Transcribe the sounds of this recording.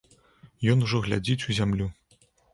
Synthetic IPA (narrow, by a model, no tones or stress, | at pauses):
jɔnuʐɔɣlʲad͡zʲit͡sʲuzʲamlʲu